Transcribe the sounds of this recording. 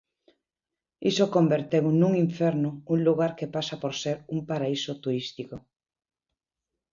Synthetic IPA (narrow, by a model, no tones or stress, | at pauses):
isokombeɾt̪ewnuŋiɱfɛɾnʊuŋluɣaɾkepasapoɾseɾumpaɾaisot̪uɾist̪iko